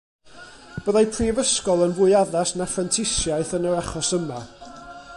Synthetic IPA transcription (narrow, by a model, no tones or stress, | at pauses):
b̥əðajpʰrivəskɔlˠənvʊɨaðasnafrantʰɪsjaɨθənəɾaχɔsəma